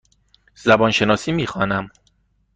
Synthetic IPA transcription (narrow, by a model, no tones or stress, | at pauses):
z̥æbɒːnʃe̞nɒːsiːmiːxɒːnæm